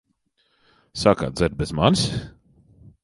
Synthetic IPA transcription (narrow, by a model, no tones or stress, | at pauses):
saka̰d̪zɛɾbɛzmans